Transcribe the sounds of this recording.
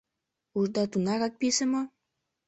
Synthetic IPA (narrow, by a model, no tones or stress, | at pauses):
uʒd̪ɑt̪unɑɣɑk̚pisə̆mo